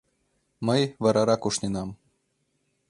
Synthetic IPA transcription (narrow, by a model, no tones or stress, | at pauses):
məjʋɑɾɑɾɑkuʃnenɑm